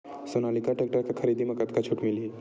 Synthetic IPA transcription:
sonalikaʈek̚ʈakakʰəɾid̪iməkət̪kat͡ʃʰuʈmili

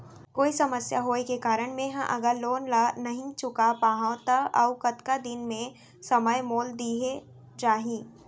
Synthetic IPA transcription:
koːisɐməsjaɦoːekekaːɾəɽ̃mẽɦã̰ʔɐɡəɾloːnlanɐɦĩt͡ʃʊkapaːɦãt̪ɐɐʊkɐt̪kad̪ɪnmẽ | sɐməjmoːld̪iːɦe | t͡ʃaːɦĩː

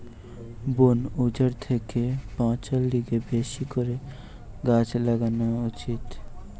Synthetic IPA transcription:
bonud͡ʒaɾt̪ʰekepãt͡ʃalɖiɡebeʃikoɾe | ɡat͡ʃlaɡanaut͡ʃit̪

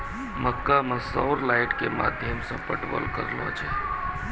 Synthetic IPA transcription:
məkːamə̃saʊɾlaːɪʈkema̰ːd̪ʱjəmsẽpəʈbə̰lkə̰ɾlo̰ːd͡ʒe

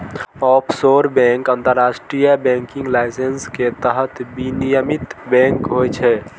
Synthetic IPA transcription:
ɔpʰsoɾbɛ̃ŋkənt̪əɾːasʈɾijabɛ̃ŋkĩŋɡlajsensket̪əɦət̪binijəmit̪bɛ̃ŋkɦojt͡ʃʰɛ

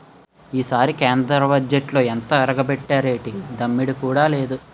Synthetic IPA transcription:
iːsaːɾikeːnd̪ɾɐbɐd͡ʒeʈlo̞ːent̪ɐɐɾɐɡɐbɛʈːaːɾeːʈid̪ɐmːiɽikuːɽaːle̞ːd̪u

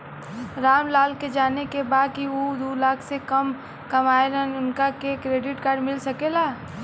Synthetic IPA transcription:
ɾaːmlaːlked͡ʒaːnekebaːd̪̚kiod̪uːlaːkʰsekɐm | kɐmaːelənʊnkakekɾeːɖɪʈkaːɾɖmɪlsɐkelaː

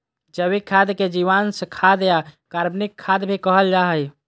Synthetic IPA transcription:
d͡ʒəβikʰːad̪ked͡ʒiʋansəkʰad̪ejakaɾbnikʰːad̪bʱikəɦəld͡ʒaɦəj

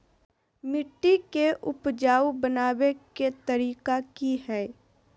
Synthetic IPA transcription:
mɪʈːikeʔʊpd͡ʒaːwbənaːweket̪ɐɾiːkakiɦɛː

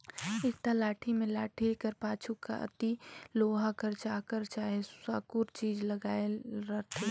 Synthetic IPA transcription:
ɪkt̪alaːʈʰimẽlaːʈʰikəɾpaːt͡ʃʰuka̰ʔə̰t̪iloːɦakəɾt͡ʃaːkəɾt͡ʃaːɦessaːkuɾt͡ʃiːd͡ʒləɡaːeɾəɦt̪ʰe

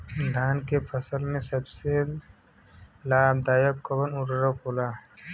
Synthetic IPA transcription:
d̪ʱaːnkepʰɐsəlmẽsɐbse | laːb̚d̪aːjəkːɐbənʊɾɾokoːlaː

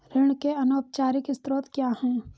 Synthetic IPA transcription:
ɾɪɽ̃keɐnoːp̚t͡ʃaːɾɪkɪst̪ɾoːt̪kjaːɦɛ̃ː

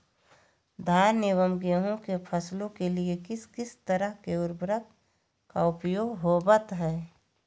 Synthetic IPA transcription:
d̪ʱaːɾnewəmɡeɦõkepʰəslõkeliekɪskɪst̪əɾəɦkeʊɾbɾək | kaʊpjoːɡɦoːbət̪ɦɛː

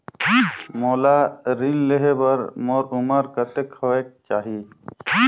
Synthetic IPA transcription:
moːlaɾinleɦebəɾmoːɾʊməɾkət̪ekʰoeːk̚t͡ʃaːɦiː

